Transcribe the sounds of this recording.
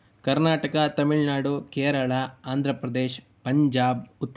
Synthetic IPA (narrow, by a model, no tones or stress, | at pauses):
kɐɾnaːʈɐkɐt̪ɐmiɭnaːɽukeːɾɐɭaaːnd̪ʱɾɐpɾɐd̪eːʃ | pɐɲd͡ʒaːbut̪ː